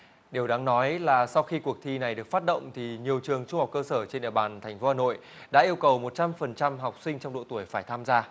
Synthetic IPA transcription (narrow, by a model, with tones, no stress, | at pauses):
ɗe˨˩wɗaː˨˦ŋnɔ˨˦jlaː˨˩sa˧wxi˧ku˨˩ək̚t̪ʰi˧na˨˩jɗɨ˨˩ək̚faː˦˥t̚ɗə̰˧˨wŋ͡mt̪ʰi˨˩ɲi˨˩əwt͡ɕɨ˨˩əŋt͡ɕʊ˧ŋ͡mha˨˩k͡pkəː˧səː˧˩t͡ɕe˧nɗḭ˧˨əɓaː˨˩nt̪ʰa˨˩jŋ̟fo˨˦haː˨˩no̰˧˨j | ɗa̰ː˧˥ʔi˧əwkə˨˩wmo˨˩t̚t͡ɕa˧mfə˨˩nt͡ɕa˧mɦa˨˩wk͡p̚sï˧ŋ̟t͡ɕɔ˧wŋ͡mɗo̰˧˨t̪u˧˩əjfaː˧˩jt̪ʰaː˧mzaː˧